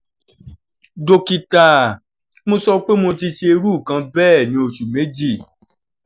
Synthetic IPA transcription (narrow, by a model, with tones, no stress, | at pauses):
do˧ki˧ta˨ | mõ˧sɔ˧˦k͡pe˦mo˧ti˧ʃe˧ɾu˦˨kã˨˧bɛː˦˨nĩ˧˦o˨ʃu˨me˨˦d͡ʒi˦˨